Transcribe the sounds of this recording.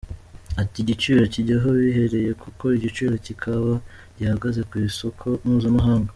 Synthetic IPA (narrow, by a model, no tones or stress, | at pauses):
atiɟit͡ʃiːɾociɟaɦoβiɦe̞ɾe̞je̞kʰuko̞iɟit͡ʃiɾocikʰaβa | ɟihaɡaze̞kwiso̞kʰo̞muːzamuɦaːŋɡa